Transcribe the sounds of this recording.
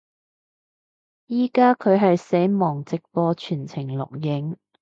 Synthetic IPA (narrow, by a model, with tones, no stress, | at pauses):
jiː˨˩kaː˥kʰɵ˨˧ɥɦɐ˨jse˨˥mɔː˨˩ŋt͡sɪ˨k̚fɔː˧t͡ʃʰyː˨˩nt͡sʰɪ˨˩ŋlʊ̰˨k̚jɪ˨˥ŋ